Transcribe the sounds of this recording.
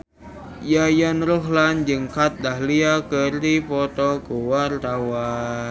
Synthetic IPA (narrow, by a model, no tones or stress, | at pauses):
jajɔnruɦland͡ʒɨŋkat̪̚dahliakərdipɔt̪ɔɡuwart̪awa